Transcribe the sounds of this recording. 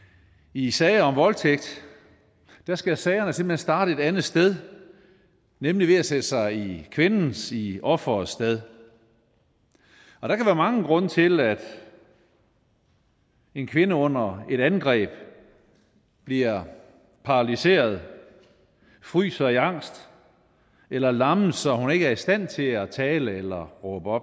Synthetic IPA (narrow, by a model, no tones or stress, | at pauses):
isɛːɪɐɒ̽mʋɒ̽lt͡sʰeɡ̥̚d̥ | d̥æsɡ̥æsɛɪɐnəse̝mb̥lhe̝nsd̥ɑ̈ːɾ̥əe̝d̥ænð̩ˠsd̥eð̞ˠ | nemliʋe̝æsed̥əsɑ̈ɪikʰʋe̝nn̩siɒ̽fɐsd̥eð̞ˠ | ɒ̽d̥ɑkʰæʋæːɐmɑ̈ŋəɡ̥ʁɔ̽nət͡sʰe̝læd̥ | e̝nkʰʋe̝nəɔ̽n̰ɐe̝ɾ̥ænɡ̥ʁɛ̰ːb̥ | b̥liɐ | pʰɑ̈ʁɑlise̝̰ːɐð̞ˠ | fʁy̰ːsɒiɑ̈ŋ̰sd̥ | elɐlɑ̈məsɒ̽hune̝ɡ̥əæɐisd̥æn̰t͡sʰe̝læt͡sʰɛːləelɐʁɔːb̥əɒ̽b̥